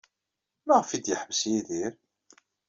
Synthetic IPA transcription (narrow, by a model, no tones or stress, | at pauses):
maʁəfid̪jəħvəsjiðiɾ